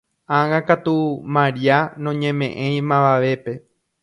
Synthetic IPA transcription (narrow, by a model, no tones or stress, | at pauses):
ãŋãkat̪umãɾianõɲẽ̞mẽ̞ʔẽj̃mãʋaʋe̞pe̞